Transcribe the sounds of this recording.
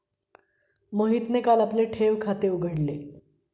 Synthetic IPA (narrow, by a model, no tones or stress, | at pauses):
məɦit̪nekalapleʈʰeʋkʰat̪euɡʱəɽle